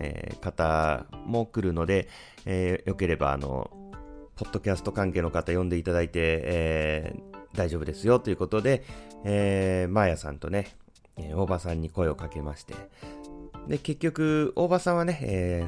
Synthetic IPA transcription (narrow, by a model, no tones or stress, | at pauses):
ḛːkat̪amo̞kɯ̟ɾɯ̟no̞d̪e̞ | jo̞ke̞ɾe̞ba̰ːno̞̰ | po̞t̪ːo̞kʲasɨ̥t̪o̞kãŋkeːno̞kat̪ajõ̞nd̪e̞it̪ad̪ait̪e̞ː | d̪aiʑo̞ːbɯ̟d̪e̞sɨjo̞t̪ːoiɯ̟ko̞t̪o̞d̪e̞eːmajasã̰nt̪o̞ne̞ | eo̞ːbasãɲ̟ːiko̞e̞o̞kake̞maɕi̥t̪e̞̰ | d̪e̞ke̞kʲːo̞kɯ̟o̞ːbasãɰ̃βane̞eː